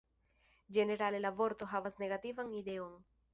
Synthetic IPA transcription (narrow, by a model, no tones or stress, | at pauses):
d͡ʒeneɾalelavoɾt̪oɦavasneɣat̪ivaŋid̪eoŋ